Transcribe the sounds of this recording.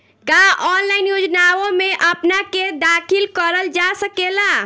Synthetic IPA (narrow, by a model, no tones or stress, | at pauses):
kaɔnlaɪnjod͡ʒnawõmeʔəpnaked̪akʰilkəɾəld͡ʒasəkela